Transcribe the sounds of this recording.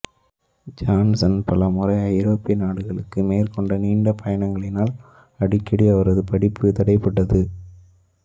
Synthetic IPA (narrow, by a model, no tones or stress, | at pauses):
d͡ʒaːnsɐnpɐlɐmʊrɐɪɐɪɾoːpːɪjɐnaːɽɯɣɐɭɯkːɯmeːɾkɔɳɖɐniːɳɖɐpʰɐjɐɳɐŋɡɐɭɪnaːl | ɐɽɪkːɪɽiɐʋɐɾɐðɯpɐɽɪpːɯt̪ɐɽɐɪpːɐɽːɐðɯ